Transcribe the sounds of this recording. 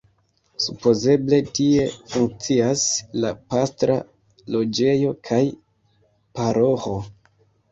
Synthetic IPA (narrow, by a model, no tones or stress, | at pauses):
supo̞ze̞ble̞tie̞fuŋk̚t͡siaslapastɾa̰ | lo̞d͡ʒe̞jo̞kʰaj | paɾo̞ho̞